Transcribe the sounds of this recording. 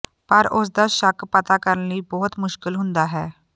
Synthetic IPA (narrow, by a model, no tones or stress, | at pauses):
pəɾʊs̬d̪aːʃəkpət̪aːkəɾənləiːbɔːt̪mʊʃkɪlɦʊnd̪aːɦɛː